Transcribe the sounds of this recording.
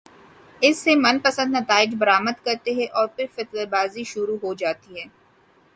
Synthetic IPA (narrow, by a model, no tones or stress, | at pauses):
ɪsːemɐnpɐsə̃d̪nɐt̪aːɪd͡ʒbɐɾaːməd̪kɐɾt̪eɦɛʔɔːɾpɪɾfɪt̪lebaːziʃʊɾuɦod͡ʒaːt̪iɦɛː